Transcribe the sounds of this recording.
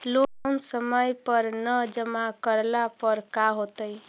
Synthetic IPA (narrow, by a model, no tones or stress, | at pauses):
lonsəməjpəɾnəd͡ʒəmakəɾlapəɾkaɦot̪əj